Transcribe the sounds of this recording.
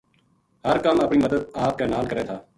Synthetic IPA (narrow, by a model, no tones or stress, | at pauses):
həɾkəməpɳiːməd̪əd̪̚aːp̚kənaːlkəɾeːt̪ʰaː